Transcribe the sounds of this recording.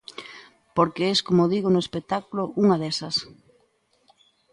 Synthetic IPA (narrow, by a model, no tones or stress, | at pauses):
poɾkeɛskomoðiɣonoespek̚t̪akulʊʔuŋɐðɛsɐs